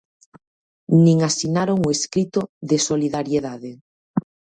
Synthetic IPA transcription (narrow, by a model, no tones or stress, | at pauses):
nĩŋasinaɾoŋoeskɾit̪oðesoliðaɾjeðaðe